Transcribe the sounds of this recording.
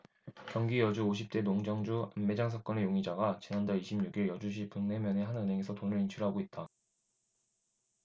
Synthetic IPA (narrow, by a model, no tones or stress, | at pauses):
kjʌŋɡijʌd͡ʑuoɕ̬ʰip̚t͈e̞noŋd͡ʑʌŋd͡ʑuanːe̞d͡ʑaŋsʰak͈ʌne̞joŋid͡ʑaɡat͡ɕinandaɭiɕʰimɲuɡiɭjʌd͡ʑuɕ̬ʰipɯŋne̞mjʌne̞ɦanɯnɦe̞ŋe̞sʰʌtonɯɭint͡ɕʰuɭɦaɡoit̚t͈a